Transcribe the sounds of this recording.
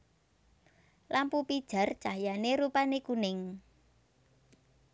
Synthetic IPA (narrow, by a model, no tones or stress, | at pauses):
lampupid̥ʒ̥a̤rd̥ʒ̥a̤janeɾupanekunɪŋ